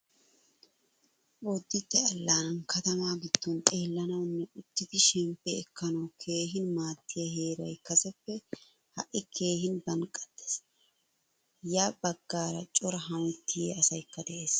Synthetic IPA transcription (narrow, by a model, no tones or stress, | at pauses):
ɔd̪ːɪd̪ːɛɐlːaːnɐnkʰɐt̪ɐmaːɡɪd̪̥ːɔnt̪ʼe̞ːlːɐnɐwnːɛʊt̪ːɪd̪ɪʃɛmpːɛɛkːɐnɐwkʰe̞ːɦɪnmaːt̪ːɪjɐɦe̞ːɾɐjkɐsɛpːɛ | hɐʔɪkʰe̞ːhɪnb̪ɐnkʼːɐd̪̥ːe̥s | jaːbɐɡːaːɾɐt͡ʃʼɔɾɐɦɐmʊt̪ːɪjḛːɐsɐjkːɐd̪ɛʔeːs